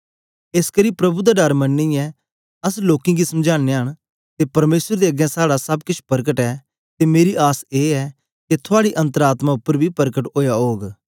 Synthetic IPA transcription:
eːskɐɾipɾɐbud̪aɖɐɾmɐnːĩɛ | ɐs̬loːkĩɡisɐmd͡ʒaːneɦəɽ̃ | t̪epɐɾmeːsəɾd̪eɐɡɛ̃saːɽasɐbkɪt͡ʃʰpɐɾkəʈɛː | t̪emeːɾiʔaːseːɛ | ket̪ʰʊaːɽiʔɐ̃nt̪əɾaːt̪maʊpːəɾbʱipɐɾkəʈɦoːjaɦoːɡ

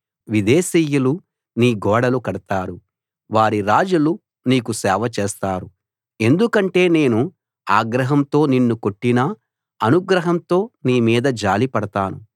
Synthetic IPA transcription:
ʋid̪eːsiːjulu | niːɡɔːɽɐlukɐɽɐt̪aːɾu | ʋaːɾiɾaːd͡ʒulu | niːkusɛːʋɐt͡ʃeːst̪aːɾu | e̞nd̪ukɐɳʈe̞ːne̞ːnu | aːɡɾɐɦɐmt̪o̞ːninːuko̞ʈːinɐ | ɐnuɡɾɐɦɐmt̪o̞ːniːmiːd̪ɐd͡ʒaːlipɐɽɐt̪aːnu

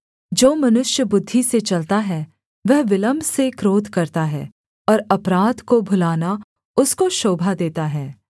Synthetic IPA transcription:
d͡ʒoːmɐnʊʃjəbʊd̪ʱːiset͡ʃɐlt̪aɦɛ | ʋɛɦʋɪlə̃mbʱsekɾoːd̪ʱkɐɾt̪aɦɛ̰ː | ɔːɾɐpɾaːd̪kobʱʊlaːna | ʊskoʃoːbʱad̪eːt̪aɦɛː

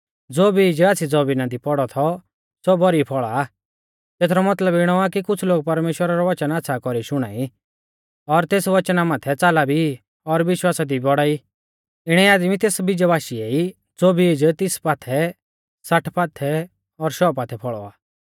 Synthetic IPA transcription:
d͡zoːbʱiːd͡ʒaːsʰid͡zɔbinad̪ipɔɽɔt̪ʰɔ | sɔbɔɾipʰɔɭa | t̪eːt̪ʰɾɔmɐt̪ləbɪɽ̃ɔakikʊt͡sʰloːɡ̚pɐɾmeːʃwəɾaɾɔʋɐt͡ʃənaːtːsʰakɔɾiʃʊɽ̃aːi | ɔɾt̪eːsʋɐt͡ʃnamaːt̪ʰɛt͡saːlabʱi | ɔɾʋɪʃwaːsad̪ibɔɽaːi | ɪɽ̃ɛaːd̪mit̪eːsbid͡ʒabaːʃieːi | d͡zoːbiːd͡ʒt̪ɪspaːt̪ʰɛ | sɐʈʰpaːt̪ʰɛ | ɔɾʃɔːpaːt̪ʰɛpʰɔɭɔaː

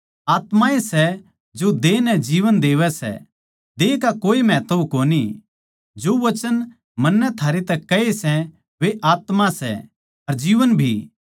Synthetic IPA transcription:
aːt̪mãesɛ | d͡ʒod̪eːnɛd͡ʒiːʋənd̪eːʋɛsɛ̰ | d̪eːkakoːimɛ̃ːt̪oukoːni | d͡ʒoʋɐt͡ʃən | mɐnːɛt̪ʰaːɾet̪ɛkɐesɛ | ʋeʔaːt̪masɛ̰ | ɐɾd͡ʒiːʋənbʱiː

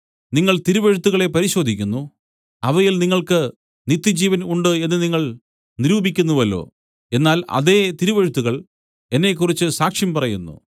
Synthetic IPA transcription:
niŋːɐɭt̪iɾuʋɐɻut̪ːuɣɐɭe̞pɐɾiɕo̞ːd̪ʱikʲːunːu | ɐʋɐjilniŋːɐɭkɨ | nit̪ːjɐd͡ʑiːʋɐnuɳɖɨe̞nːɨniŋːɐɭ | niɾuːbikʲːunːuʋɐlːo̞̰ː | e̞nːaːlɐ̰ðeːt̪iɾuʋɐɻut̪ːuɣɐɭ | e̞nːe̞k̬ːurit͡ɕːɨsaːkʂjɐmpɐrɐjunːṵ

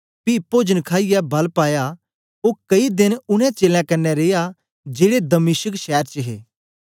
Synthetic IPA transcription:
pipoːd͡ʒənkʰaːɪjɛbɐlpaːja | oːkɐid̪ɪnʊnɛ̃t͡ʃeːlãkɐɾnːɛɾeːja | d͡ʒeːɽed̪ɐmɪʃəkʃɛːɾt͡ʃəɦḛː

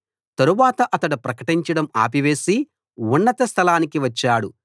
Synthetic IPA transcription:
t̪ɐɾuʋaːt̪ɐʔɐt̪ɐɽupɾɐkɐʈiɲt͡ʃɐɽɐma̰ːpiʋe̞ːsi | unːɐt̪ɐst̪ʰɐlaːnikiʋɐt͡ʃːaːɽu

